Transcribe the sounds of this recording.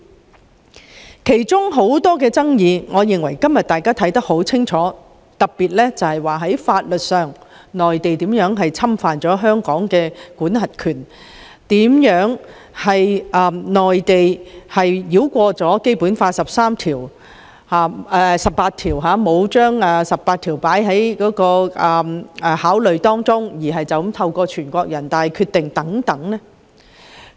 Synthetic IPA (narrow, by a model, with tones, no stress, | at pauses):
kʰe˨˩jt͡sʊ˥ŋɦo˨˥wt̪ɔː˥kɛː˧t͡sɐ˥ŋjiː˧ŋɔː˨˧jɪ˨ŋwɐ˨˩jkɐ˥mjɐ˨t̚t̪aː˨˩jkaː˥t̪ʰɐ˨˥jt̪ɐ˥k̚ho˨˥wt͡sʰɪ˥ŋt͡ʃʰɔː˨˥ | t̪ɐ˨t̚pːiː˨t̚lɛː˥t͡sɐ˨whɐ˨jwaː˨˩ɦɐ˨˥jfaː˧t̚lɵ˨t̚sœː˨˩ŋ | nɔː˨jt̪e˨jt̪iː˨˥mjœː˨˥ŋɦɐ˨jt͡sʰɐ˥mfaː˨nt͡sɔː˨˥ɦœː˥ŋkɔː˨˥ŋkɛː˧kʷuː˨˥nɦɐ˨t̚kʰyː˨˩n | t̪iː˨˥mjœː˨˥ŋ | hɐ˨jʔɐː˨˩nɔː˨jt̪e˨jhɐ˨jjiː˨˥wkʷɔː˧t͡sɔː˨˥ke˥jpuː˨˥nfaː˧sɐ˨p̚saː˥mt̪ʰiː˨˩w | haː˨ɛ˨˧sɐ˨˩pːaː˧t̪̚ʰiː˨˩wɦaː˨˧mo˨˧wt͡ʃœː˥ŋɛː˨sɐ˨p̚paː˧t̚t̪ʰiː˨˩wpaː˨˥jɦɐ˨˥jkɔː˨˥kɔː˧ʔɐː˨˩mː˨˧haː˨˥wlɵ˨ɥt̪ɔː˥ŋt͡sʊ˥ŋjiː˨˩ɦɐ˨jt͡sɐ˨wmt̪ʰɐ˧wkɔː˧t͡ʃʰyː˨˩nkʷɔː˧k̚jɐ˨˩nt̪aː˨nhɐ˨jkʰyː˧t̪ːɪ˨ŋt̪ɐ˨˥ŋt̪ɐ˨˥ŋnɛ˥